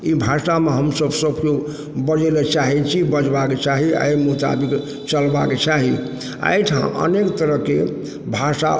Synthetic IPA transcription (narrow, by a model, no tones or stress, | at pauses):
ibʱasameɦəmsəbsəbko | bəd͡ʒelet͡ʃaɦɛt͡ʃʰibəd͡ʒbaket͡ʃaɦia̰jmut̪a̰bik | t͡ʃəlbaket͡ʃaɦi | a̰jʈʰã̰ʔə̰nekt̪əɾəɦke | bʱasa̰